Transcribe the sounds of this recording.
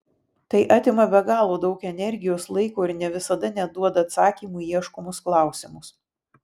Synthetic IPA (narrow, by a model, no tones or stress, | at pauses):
t̪ɐɪʔɑːt̪ʲɪmɐbʲɛɡɑːlˠoːd̪ɐʊkɛnʲɛɾʲɡʲɪjoːslˠɐɪkoːɪɾnʲɛʋʲɪsɐd̪ɐnʲɛd̪uɔd̪ɐɐt̪sɑːkʲiːmuːiɛʃkɔmʊsklˠɑˑʊsʲɪmʊs